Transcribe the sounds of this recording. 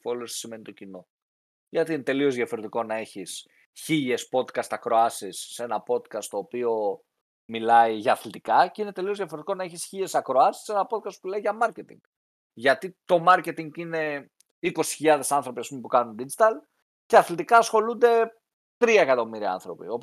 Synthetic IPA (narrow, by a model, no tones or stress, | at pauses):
folost̪i̥sime̞nit̪o̞cino̞ | ʝɐt̪iine̞t̪e̞lio̞zðjɐfo̞ɾet̪iko̞nɐe̞çis | çiʎe̞spo̞t̪kɐst̪ɐkɾo̞ɐsisːe̞nɐpo̞t̪kɐst̪o̞ːpio̞ | milɐiʝɐːθlit̪ikɐce̞inet̪e̞liozðjɐfo̞ɾet̪i̥ko̞nɐeçisçiʎe̞sɐkɾoɐsi̥se̞nɐpo̞t̪̚kɐst̪pumilɐiʝɐmɐɾcet̪ḭŋɡ̥ | ʝɐt̪it̪o̞mɐɾce̞t̪iŋɡine̞ | iko̞si̥çiʎɐðe̞sɐnθɾo̞pisɐspume̞pukɐnund̪id͡ʒit̪ɐl | ceɐθlit̪ikɐːsxo̞lund̪e̞ | t̪ɾiɐekɐt̪o̞miɾiɐ̰ɐ̰nθɾo̞pḭo̞p